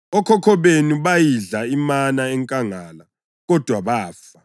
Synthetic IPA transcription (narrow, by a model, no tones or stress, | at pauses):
ɔkʰɔkʰɔβenuβajiɮaimanaɛŋkʼaŋaːla | ɣɔd̥ʱwaβaːfa